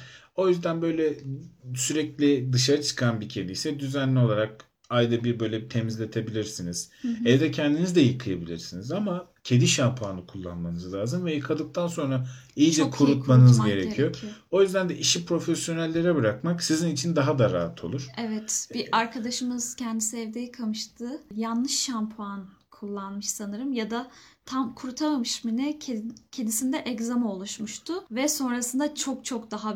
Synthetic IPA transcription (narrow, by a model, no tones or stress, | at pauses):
o̞jyzd̪ænbø̞jlʲɛsyɾɛclʲid̪ɯʃaɾat͡ʃʰɯ̥kʰanbicʰe̞d̪ijsɛd̪yzænlːʲio̞lˠaɾak̚ | ajd̪abiɾbø̞jlʲɛt̪ʰemizlʲe̞t̪ʰe̞bilʲiɾsiniz̥ɛvd̪ɛcʰɛnd̪inizd̪ɛjɯkʰɯjabilʲiɾsinizamacʰe̞d̪iʃampʰaːnɯkʰulˠːa̰nmanɯzlʲˠaːzɯmvɛjɯkʰad̪ɯk̚t̪ʰanso̞nɾaijid͡ʒɛkʰuɾut̪manzɟe̞ɾecʰijo̞o̞jyzd̪ænd̪ɛʔiʃipɾo̞fesjo̞nælʲːe̞ɾɛbɯɾakmaksizinit͡ʃʰind̪aɦad̪aɾa̰ːɦat̪ʰo̞̰lˠuɾ̥ɛvɛt̪b̥iʔaɾkʰad̪aʃɯmɯz̥cʰɛnd̪isɛvd̪ejikʰamɯʃt̪ʰɯjanlˠɯʃːampʰan | kʰulˠːanmɯʃsanɯɾɯmjad̪at̪ʰamkʰuɾut̪ʰamamɯʃminɪcʰed̪isind̪ɛʔɛczamo̞lˠuʃmuʃt̪ʰʊvɛso̞nɾasɯnd̪at͡ʃʰo̞k̚t͡ʃʰo̞k̚d̪aɦa